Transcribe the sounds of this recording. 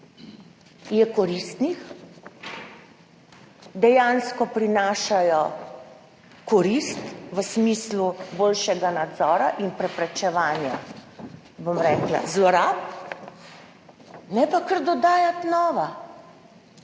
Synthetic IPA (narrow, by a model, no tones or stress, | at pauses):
jɛkɔɾist̪nix | d̪ɛjanskɔpɾinaːʃajɔ | kɔɾist̪ʋəsmislubolʃɛɡanad̪zɔːɾaʔinpɾɛpɾɛt͡ʃɛʋaːnja | bomɾɛːkla̰zlɔɾaːp̚ | nɛpakəɾd̪ɔd̪aːjat̪nɔːʋa